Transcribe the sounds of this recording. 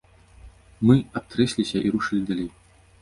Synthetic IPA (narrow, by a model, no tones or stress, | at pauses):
mɨap̚t̪ɾɛsʲlʲisʲɐʔiɾuʂɨlʲid̪alʲej